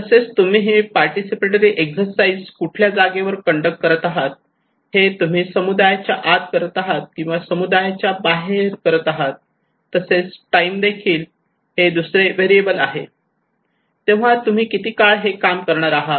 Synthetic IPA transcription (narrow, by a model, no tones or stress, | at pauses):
t̪əset͡st̪um̤iːɦepaɾʈisipeʈəɾiːʔeksəɾsaid͡zkuʈʰljad͡zaɡeʋəɾkəɳɖək̚ʈ̚kəɾət̪aɦat̪̚ | het̪um̤iːsəmud̪ajat͡ɕjaʔad̪kəɾət̪aɦat̪̚kĩw̃ʋasəmud̪ajat͡ɕjabaɦeɾkəɾət̪aɦat̪ː | əset͡sʈaimd̪ekʰiːl | hed̪usɾeʋeɾiebəlaɦḛ | t̪eʋ̤at̪um̤iːkit̪iːkaɭɦekamkəɾɳaɾaɦa